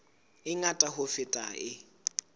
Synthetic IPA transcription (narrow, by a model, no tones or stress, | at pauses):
ɪŋatʼahʊfɪtʼaɪ